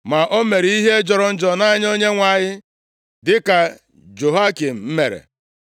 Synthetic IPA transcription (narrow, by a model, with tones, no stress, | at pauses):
ma˨ʔo˦me˨ɾi˦i˦ɦe˦d͡ʒɔ˨ɾɔ˨n̩˦d͡ʒɔ˨na˦ɲ˦o˦ɲe˦ŋʷa˨ɲɪ˦ | dɪ˦ka˨ | d͡ʒo˨ɦa˦ki˨m̩˨m̩˦me˨ɾḛ˨